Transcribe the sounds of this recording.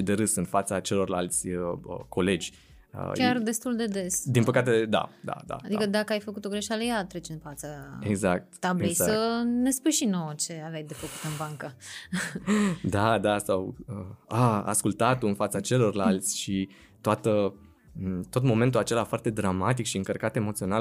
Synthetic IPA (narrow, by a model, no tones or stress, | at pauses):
id̪e̞ɾɨsɨnfat̪sat͡ʃe̞lo̞rlalt̪sʲəko̞le̞d͡ʒʲ | ə̰kʲard̪e̞st̪uld̪e̞d̪e̞sd̪inpəkat̪e̞d̪a̰d̪a̰d̪a̰ad̪ikəd̪akəajfəkut̪o̞ɡɾeʃalejat̪ɾet͡ʃɨnfat̪səeɡzak̚t̪t̪ablejssəne̞spujʃinot͡ʃe̞avjajd̪efəku̥t̪ɨnbaŋkə | d̪ad̪asawəaa̰skult̪at̪oɨnfat̪sat͡ʃe̞lo̞rlalt̪sʲʃi | t̪oat̪ə | t̪o̞t̪̬mo̞me̞nt̪ulat͡ʃe̞lafoart̪e̞d̪ɾamat̪̬ikʃiɨŋkərkat̪e̞mot̪sio̞nal